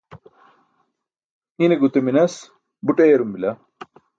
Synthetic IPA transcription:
ineɡut̪eminɐs | buʈejɾumbilɐ

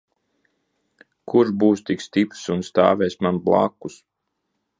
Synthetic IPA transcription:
kuɾʒbuːst̪ikst̪ipɾsunst̪aːvʲɛjsmanblˠa̰ːkːus

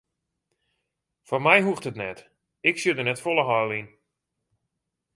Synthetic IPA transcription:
fɔnmɛjɦuxtətnɛt | ɪksjødənɛtfolˠəɦɔjlˠin

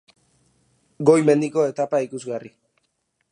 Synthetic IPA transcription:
ɡo̞jme̞nd̪iko̞e̞t̪apaikuzɣari

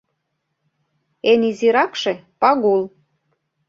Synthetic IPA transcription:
eniziɾɑkʃĕpɑɣul

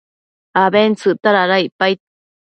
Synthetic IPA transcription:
aβent͡sɨt̪aɾaɾaipajt̪̚

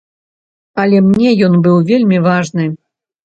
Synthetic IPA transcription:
ɐlʲɛmnʲɛjɔnbɨwvʲelʲmʲivaʐnɨ

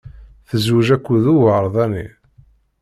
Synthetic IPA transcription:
θəzwəʒækʷːuðuvɾˤðˤænːḭ

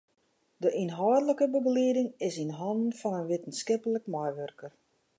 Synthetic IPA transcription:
dəʔinɦɔːdələkəbəbəliədɪŋɪsinɦɔndn̩fɔnənʋɪtən̩skɪpələkmajʋørkər

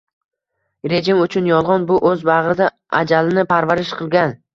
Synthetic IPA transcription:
ɾe̞d͡ʒɪmʊt͡ʃʰʊnjɒlˠʁɒnbʊʔɵzbaʁɾɪd̪a | ʔad͡ʒalɪnɪpʰaɾvaɾɪʃqʰɨlˠɡʲan

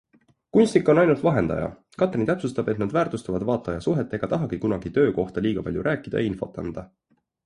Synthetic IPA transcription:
kunʲsʲt̪ikːˑo̞nɑjnult̪vɑɦe̞nd̪ɑ̰jɑ̰ | kɑt̪ːˑrint̪æpsust̪ɑb̥e̞t̪nɑd̪væːrt̪ust̪ɑvɑd̪̥vɑːt̪ːˑɑjɑsuɦe̞t̪ːˑe̞ɡ̥ɑt̪ɑɦɑɡ̥ikunɑɡ̥it̪ø̞ːko̞ht̪ɑliːɡ̥ɑpɑ̰lʲjuɾʔæːkːˑid̪̥ɑ̰jɑinfo̞̰t̪ːˑɑ̰nd̪̥ɑ

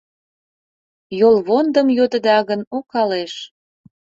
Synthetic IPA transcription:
jolˠβond̪əmjod̪ə̆d̪ɑɣənokɑleʃ

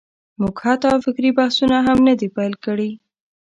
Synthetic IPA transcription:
muɡhat̪ɑfɪkɾibahsunaɦamnad̪ipajlkəɽi

